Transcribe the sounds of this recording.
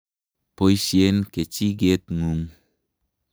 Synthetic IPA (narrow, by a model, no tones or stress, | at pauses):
pojsienket͡ʃiɡet̪ŋuŋ